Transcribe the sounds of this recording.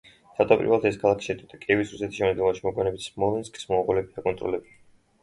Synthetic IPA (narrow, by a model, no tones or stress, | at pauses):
t̪ʰat̪ʼɔpʼḭɾvɛlˠt̪ʰɛskʰalˠakʰi̥ʃɛt̪ʼit̪ʼakʼiɛvisɾusɛt̪ʰi̥ʃɛmnd̪ilmaʃimɔkʼwɛnɛbit̪smɔlˠɛnskʼi̥smɔʁulɛbiakʼɔnt̪ʼɾɔ̰lɛbili